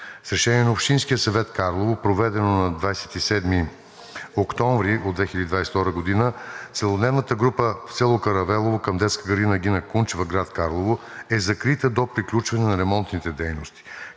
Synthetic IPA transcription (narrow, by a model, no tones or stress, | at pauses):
sɾɛʃɛniɛnɐopʃt̪inskijəsɐvɛt̪kaɾlˠovopɾovɛd̪ɛnonɐd̪vajsɛ̥t̪isɛd̪mi | okt̪ɔ̃ɱvɾiʔod̪vɛxʲilʲəd̪id̪vajsɛ̥ft̪ɔɾəɡod̪inət̪sɛlˠod̪nɛvnət̪əɡɾupəft̪sɛlˠokɐɾɐvɛlˠovokɐmd̪ɛt̪skəɡəɾd̪inəɡ̟inɐkunt͡ʃvɐɡɾat̪kaɾlˠovo | ɛzɐkɾit̪əd̪opɾiklʲut͡ʃvɐnɛnɐɾɛmɔnt̪nit̪ɛd̪ɛjnost̪i̥